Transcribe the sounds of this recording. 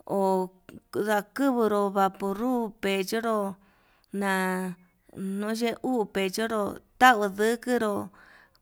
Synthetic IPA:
o˨ | ða˧kɨ˦βɨ˧ɾo˧βa˨pu˧˨ɾu˦pe˨d͡ʒo˦ɾo˧ | nã˨ | nõ˦ʒe˦ʔu˦˧pe˨t͡ʃo˦ɾo˧t̪a˦ɨ˧ðɨ˦kɨ˦ɾo˧

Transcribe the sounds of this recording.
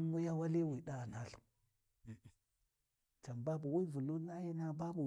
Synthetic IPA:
mu˦ja˦wa˦li˦wi˨ɗa˦˨na˦ɬu̥˨ | t͡ʃa˨mba˦bu˨wi˦vu˨lu˦na˦ji˦na˦ba˦bu˨

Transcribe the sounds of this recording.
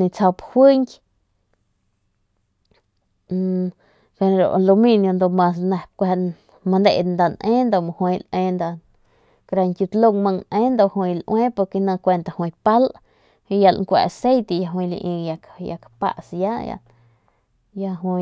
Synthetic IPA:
nĩ˧t͡sa˧phwi˦ŋkʲ | ke˧ɾo̰˧˨ʔlo˧mĩ˧njõ˧nd̪o˧mã˧s̬nã˧p̚kʷe˧ | mã˧nd̪e˧ʔnd̪a˧nʔẽ˦nd̪o˧˨mõ˧hwẽ˧lʔẽ˧nd̪a˧ | kɾa˧ŋkʲju˧t̪lo˧ŋmə̃˧ŋʔẽ˦nd̪o˧ʔhwĩ˧lʔw̃ẽ˦po˧ɾke˧nã˧kʷe˧nt̪a˧hwĩ˧pa˦lʔ | hĩ˧ja˧lŋkʷa̰˧ʔa˧se˦jt̪e˧˨ja˧ɦwĩ˧lḭ˧ʔĩ˧ja˧kja̰˧kapa̰˧ʔsja˦ja̰˧ | ja˧ɦwĩ˧

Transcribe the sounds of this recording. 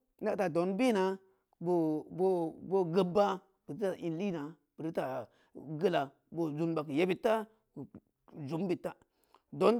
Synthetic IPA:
na˦ta˨do˨˦nbi˦˨na˨˦ | bo˧bo˦bo˧ɡə˧ba˦ | b̥i˨ɾta˦˨ʔi˧nli˦˨na˨ | b̥i˨ɾi˦ta˨ | ɡə˦la˨ | bo˧zu˧nba˧kɨ˨ja˦bi˧tːa˦ | ku˨ | zu˨˦m˦bi˨tːa˦ | do˨˦n

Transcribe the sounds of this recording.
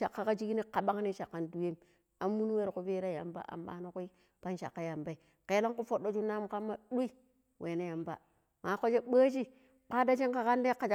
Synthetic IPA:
ʃa˨kːa˦ka˦d͡ʒi˦ɡi˦ni˦ka˨ɓa˦ŋ˦ni˦ʃa˨kːa˦ndu˨je˦m | a˨mːu˦nu˦we˦ɾku˦ve˦ɾa˦ja̰˨mba̰˦ʔa̰˨mba̰˨˦no˦ku˦i˦ | pa˦nʃa̰˨kːa˦ja˨mba˦i˨ | ke˨˦lo˦ŋku˦fo˨ɗːo˦d͡ʒu˦na˦m˦ka˦mːa˦ɗu˦i˦ | wʔe˨ne˦ja˨mba̰˦ | ma˨˦ko˦d͡ʒe˦ɓaː˦t͡ʃi˦ | k͡pa˦da˦t͡ʃe˦ŋka˨ka˦nde˦ka˨d͡ʒ

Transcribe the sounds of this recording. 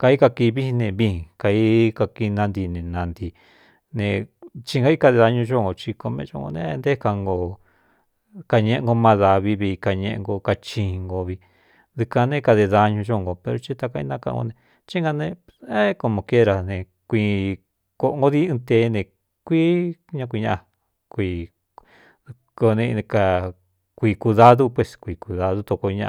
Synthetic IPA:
ka˧i˦ka˧ki˧βi˦i˧nẽ˧βĩ˧˦˧ka˧i˦ka˧ki˧nã˧nd̪i˧nẽ˨nã˧nd̪i˧ | nẽ˧t͡ʃi˧ŋ˧ɡa˧˦i˦ka˧ðe˧ða˧ɲũ˧ʒo˦˨ŋɡo˧t͡ʃi˧ko˧mḛ̃˧ʒo˦˧ŋɡo̰˧nẽ˧˦˧nd̪e˦˧ka˧ŋɡo˧ | ka˧ɲẽ˧ʔẽ˧ŋɡo˧mã˧ða˧βi˧βi˧ka˧ɲḛ̃˧ʔŋɡo˧ka˧t͡ʃĩ˧ŋɡo˧βi˧ | ði˧ka˧nẽ˦ka˧ðe˧ða˧ɲũ˧t͡ʃõ˦˧ŋɡo˧pe˧ɾo˧t͡ʃi˦t̪a˧ka˧ḭ̃˧˦nã˦kã̰˧ŋɡo̰˧nẽ˧ | t͡ʃi˦ŋɡa˧nẽ˧ | e˦ko˧mõ˧ke˦ɾa˧nẽ˧ | kʷi˧ | ko˧ʔŋɡo˦ði˦ɨ̃˧t̪e˧˦˧nẽ˧ | kʷi˦ɲã˧k̬ʷi˧ɲã˦˧ʔa˧ | kʷi˧ | ko˧nẽ˧ka˧ | kʷi˧ku˧ða˦ðu˦pwe˧skʷi˨˧˨ku˧ða˧ðu˦t̪o˧ko˧ɲã̰˧

